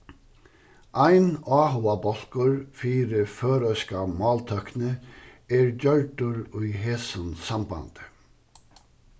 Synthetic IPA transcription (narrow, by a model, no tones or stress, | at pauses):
ʔæɪnɑːhʊabɔl̥kəɹfiːɾəføːɾœʏskamɑːlt̪ʰœknə | eːɹd͡ʒœlʈʊɹʉʏheːsnsɑmbɑ̰nd̪̥ə